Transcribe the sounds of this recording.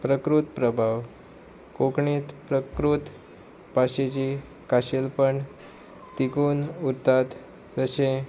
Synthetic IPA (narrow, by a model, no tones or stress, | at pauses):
pɾəkɾut̪pɾəbʱaʋ | kokɳit̪pɾəkɾut̪ | paɕet͡ɕi | kaɕelpəɳ | t̪ikuːnuɾt̪at̪ | d͡zəsẽ